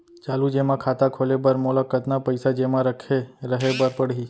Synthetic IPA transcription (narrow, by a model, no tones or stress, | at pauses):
t͡ʃalud͡ʒemãkʰat̪akʰolebəɾmolakət̪napəjsad͡ʒemãɾəkʰeɾəɦebəɾpəɽɦi